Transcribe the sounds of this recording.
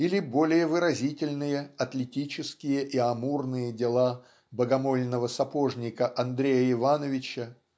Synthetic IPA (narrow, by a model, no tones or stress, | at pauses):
ilʲɪbo̞lʲɪjəvɨɾɐzʲitʲɪlʲnɨjəɐt̪lʲɪtʲit͡ɕɪskʲɪjəʔiɐmurnɨjədʲɪlˠa | bəɡɐmo̞lʲnəvəsɐpo̞ʐnʲɪkəʔɐnd̪ɾʲejəɪvanəvʲɪt͡ɕə